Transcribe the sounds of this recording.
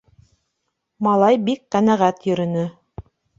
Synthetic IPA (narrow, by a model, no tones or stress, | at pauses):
mɑlˠɑjbikqænæʁæt̪jɵ̆ɾɘ̆nɵ